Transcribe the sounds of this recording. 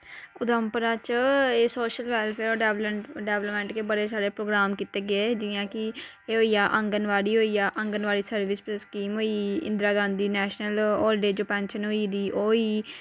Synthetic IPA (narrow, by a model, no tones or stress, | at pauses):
ʊd̪əmpəɾaːt͡ʃeːsoːʃəlʋɛːlpʰeːɾoːɖɛlɖɛːʋləpmɛ̃ːɳʈkeːbəɽeːsaːɾeːpɾoːɡɾaːmkiːt̪eːɡɪeːd͡ʒɪjãːkɪ | eːɦoːiːjaːʔə̃ŋɡənʋaːɽiːɦoːiːjaːʔə̃ŋɡənʋaːɽiːsəɾʋɪspːskiːmɦoːiːɪ̰nd̪ɾaːɡãːnd̪iːnɛːʃnəlɔːlɖeːd͡ʒoːpɛ̃ːnʃənɦoːiːd̪iːʔoːiː